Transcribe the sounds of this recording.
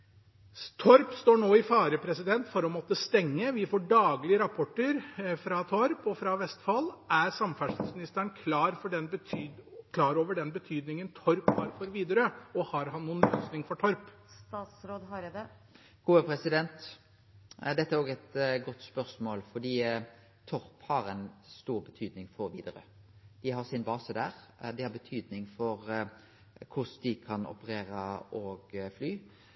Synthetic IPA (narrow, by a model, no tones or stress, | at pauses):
t̪ʰɔɾpst̪oːɳoːɪfɑːɾəpʰɾɛsɪd̪ɛnt̪fɔɾɔmɔt̪ːəst̪ɛŋːəʋɪfoːɖɑːɡlɪəɾɑpʰɔʈːəɾfɾɑt̪ʰɔɾpɔfɾɑʋɛst̪fɑlæɾsɑmfæʂɪsmɪnɪst̪əɳkʰlɑːɾfɔɖɛnbət̪ʰːkʰlɑːɾoːʋəɖɛnbət̪ʰyːd̪nɪŋənt̪ʰɔɾphɑ̰ɾfɔɾʋiːd̪əɾəɔhɑɾɦɑnːuːənløːsnɪŋfɔʈʰɔɾp | st̪ɑːt̪sɾoːd̪ɦɑɾd̪ɛ | ɡ̥uːəpʰɾɛsɪd̪ɛnt̪ | d̪ɛt̪ːəæɾoːɡɛt̪ɡɔt̪ːspœɾsmoːlfɔd̪iː | t̪ʰɔɾphɑɾɛnst̪uːɾbət̪ʰyːd̪nɪŋfɔɾʋiːd̪əɾə | d̪̥ɪɦɑɾsɪnbɑːsəd̪æːʁd̪ɪhɑɾbət̪ʰyːd̪nɪŋfɔɾ | kʰʊsd̪ɪkʰɑnɔ̰pəɾeːɾəʔɔːɡflyː